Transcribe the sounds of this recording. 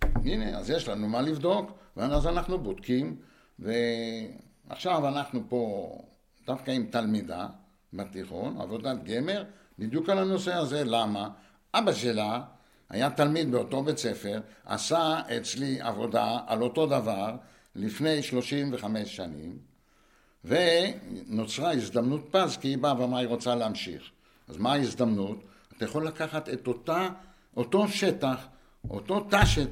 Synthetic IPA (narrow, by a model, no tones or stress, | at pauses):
inḛa̰zjeʃlanumalivd̪o̞kveaazanaχnubod̪kim | ve̞ | a̰χʃavanaχnupo̞ | d̥̪afkaimt̪almida̰ | bat̪iχo̞̰na̰vo̞d̪at̪ɡe̞me̞ʁ | bid̪jukalano̞se̞aze̞lama | ʔabaʃela | a̰jat̪almid̪̚beot̪o̞bet͡se̞fe̞ʁa̰saet͡slia̰vo̞d̪aa̰lo̞to̞d̪avaʁ | lifne̞jʃlo̞ʃimve̞χame̞ʃʃanḭm | veno̞t͡sʁaizd̪amnut̪̚pazkiibaabamajiʁo̞t͡saleamʃḭχ | a̰zmaːizd̪amnut̪ | at̪ajaχo̞lːakaχat̪et̪ota | ʔoto̞ʃe̞taχ | o̰t̪o̞t̪aʃet